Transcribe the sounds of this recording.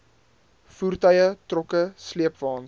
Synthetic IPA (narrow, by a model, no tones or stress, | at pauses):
fuːrtœjətrɔkəsliəpvɑːn